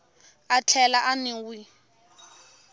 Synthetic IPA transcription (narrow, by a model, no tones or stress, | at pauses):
at͡ɬʰɛlaʔanɪwi